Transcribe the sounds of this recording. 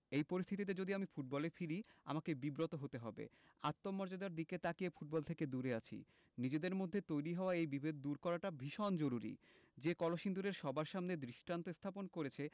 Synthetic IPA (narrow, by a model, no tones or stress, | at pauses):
ejpoɾist̪ʰit̪̬it̪ed͡ʑod̪iamifuʈ̚bɔlefiɾia̰makebibɾot̪oɦot̪eɦɔ̰bḛa̰t̪ːomːɔɾd͡ʑad̪aɾd̪iket̪akiefuʈ̚bɔlt̪ʰeked̪uɾeat͡ɕʰḭ | nid͡ʑed̪eɾmod̪ʱːet̪ojɾiɦɔoaejbibʱed̪̚d̪uɾkɔɾaʈabʱiʃɔnd͡ʑoɾuɾḭ | d͡ʑekɔloʃind̪uɾeɾʃɔbaɾʃamned̪ɾiʃʈant̪ost̪ʰaponkoɾet͡ɕʰe